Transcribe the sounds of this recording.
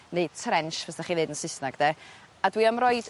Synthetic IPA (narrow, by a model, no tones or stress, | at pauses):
neɨd̥̚tʰrɛnʃvɛsd̥aχiðɨːdənsɪsnaɡdɛ | adwiːamrɔɨd